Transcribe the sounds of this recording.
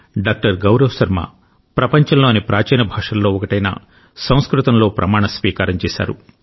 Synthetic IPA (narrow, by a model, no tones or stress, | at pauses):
ɖaːk̚ʈɐɾɡɐwɾɐwsɐɾma̰ː | pɾɐpɐɲt͡ʃɐmloːnipɾaːt͡ʃɛːnɐbʱaːʂɐllːoːɔkɐʈɐjna̰ː | sɐ̃w̃skɾut̪ɐmlo̞ːpɾɐmaːɳɐsʋiːkaːɾɐɲt͡ʃɛːsa̰ːɾu